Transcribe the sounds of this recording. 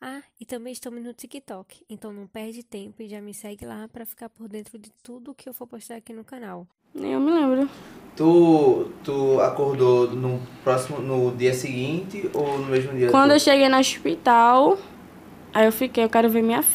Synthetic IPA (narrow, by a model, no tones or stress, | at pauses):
aɪt̪ɐ̃mbẽj̃ɪʃt̪ɐ̃mʊznʊt͡ʃ̪ikit̪ɔkɪ̥ẽt̪ɐ̃w̃nɐ̃w̃pɛɾd͡ʒɪt̪ẽpʊɪʒamɪsɛɡɪlapɾɐfi̥kaɾpoɾd̪ẽnt̪ɾʊd͡ʒɪt̪ud̪ʊːkɪewvopoʃt̪aɾakinʊkɐ̃naw | ñ̰ḛwmɪlẽmbɾʊt̪ut̪uakoɾd̪onʊpɾɔsimʊnʊd̪iɐsɪɡĩt̪ɪownʊmezmʊd̪iɐkwɐ̃nd̪ʊewʃeɡejnɐoʃpit̪aw | ajewfikejewkɛɾʊveɾmĩɲɐ